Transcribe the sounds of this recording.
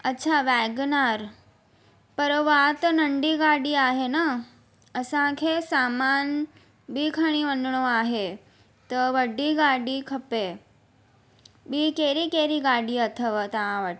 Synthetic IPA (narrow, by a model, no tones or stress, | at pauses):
ɐtːɕʰaʋɛːɡnaːɾ | pəɾʋat̪ɐnəɳɖiɡaːɽiaːɦenə | əsãkʰesaːmaːn | bʱiːkʰəɽ̃iʋənɳoaːɦe | t̪əʋəɖːiɡaːɽikʰɐpe | biːkeːɾikeːɾiɡaːɽiːɐt̪ʰəʋat̪aãʋəʈ